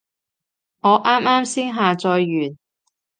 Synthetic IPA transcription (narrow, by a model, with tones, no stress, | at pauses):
ŋɔː˨˧ʔaː˥maː˥msiː˥ŋɦaː˨t͡sɔː˧jːyː˨˩n